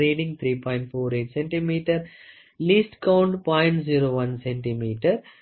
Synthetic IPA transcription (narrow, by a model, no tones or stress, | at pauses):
eːɖɪ̃ŋɡt̪ʰɾiːpɔ̃ɪ̃ɳʈfoːɾeːʈsɛ̃ɳʈimiːʈəɾ | liːsʈkãʊ̃ɳɖpɔ̃ɪ̃ɳʈziːɾoːʋɐ̃nsɛ̃ɳʈimiːʈəɾ